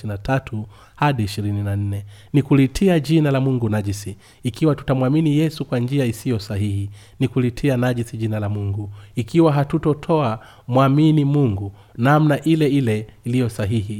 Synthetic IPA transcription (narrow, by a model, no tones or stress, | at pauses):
natʰatʰu | haɗiːʃiɾininan̩nɛnikulitʰiaʄinalamuŋɡunaʄisiː | kiwatu̥tamwaminijɛsukwand͡ʒiaisijɔsaɦihi | nikulitʰianaʄisiʄinalamuŋɡuikiwaɦatutɔtʰɔa | mwaminimuŋɡu | namnaʔilɛilɛilijɔsaɦihi